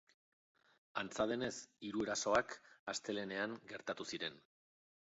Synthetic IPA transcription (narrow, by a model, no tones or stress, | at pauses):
ant͡sað̞e̞ne̞siɾue̞ɾaso̞akast̪e̞le̞ne̞aŋɡe̞ɾt̪at̪usiɾe̞n